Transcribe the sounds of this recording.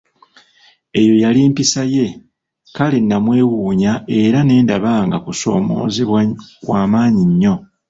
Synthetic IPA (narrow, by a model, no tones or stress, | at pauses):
e̞jo̞jaliːmpisaje̞ | kalinːamwe̞ːwuːɲae̞ɾane̞ːndaβaːŋɡakuso̞̰ːmo̞̰ːziwaːmaːɲiɲːo̞